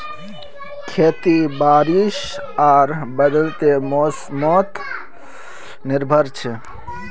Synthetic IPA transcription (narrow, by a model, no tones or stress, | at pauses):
kʰeːt̪ibaːɾiʃ | aːɾbəd̪əlt̪em | mɔt̪ | nɪɾbʱəɾt͡ʃʰe